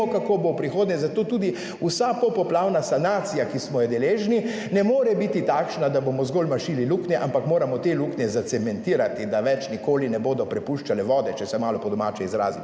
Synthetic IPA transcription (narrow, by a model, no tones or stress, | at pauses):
ɔkakoːbopɾixoːd̪nɲɛzat̪oːt̪uːd̪i | usapɔpɔplaːwnasanaːt̪sijakismɔjɛd̪ɛleːʒni | nɛmoːɾɛbit̪it̪aːkʃnad̪abomɔzɡoːlmaʃililuknɛʔampakmoːɾamɔt̪eluknjɛzat̪sɛmɛnt̪iːɾat̪id̪aʋɛt͡ʃnikoːlinɛboːd̪ɔpɾɛpuʃt͡ʃalɛʋɔːd̪ɛt͡ʃɛsɛmaːlɔpɔd̪ɔmaːt͡ʃɛizɾa̰ːzi